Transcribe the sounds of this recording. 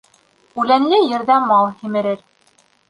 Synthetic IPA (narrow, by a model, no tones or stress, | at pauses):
ʉlænlɘjɘ̆ɾðæmɑlˠhimɘ̆ɾɘɾ